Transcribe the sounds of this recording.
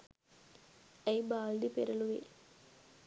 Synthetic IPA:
ɐjbaːlɖipeɾɐluʋḛː

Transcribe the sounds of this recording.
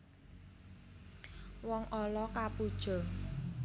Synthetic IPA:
wɔŋʔɔlɔkapud̥ʒ̥ɔ̤

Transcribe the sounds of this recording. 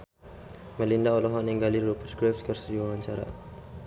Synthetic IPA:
məlindaolɔɦɔniŋɡaliɾupərɡɾɛfskərsədiwawaɲt͡ʃaɾa̰

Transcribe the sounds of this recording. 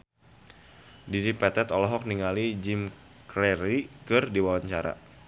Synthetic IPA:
diɾipɛt̪ɛt̪ɔlɔɦɔk̚niŋalid͡ʒim | kɾɛɾikɨrdiwawaɲt͡ʃaɾa̰

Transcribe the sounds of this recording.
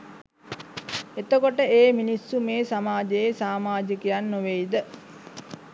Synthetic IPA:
et̪əkoʈəeːminisːumeːsamaːd͡ʒejesaːmaːd͡ʒəkijanːuʋejid̪ə

